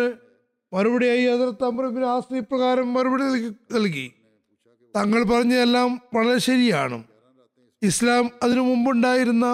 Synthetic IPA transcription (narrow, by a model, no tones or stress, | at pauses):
ɨ | mɐɾubɐɽijaːjiɐðɐɾɐt̪ːɐmbrɐminaːsrijprɐɣaːɾɐmːɐɾubɐɽinɐnɐlk̬ḭ | t̪ɐŋːɐɭpɐrɐɲːɐelːaːmʋɐɭɐɾeɕɐɾija̰ːɳɨ̰m | islaːmɐðinɨmumbuɳɖaːjiɾunːɐ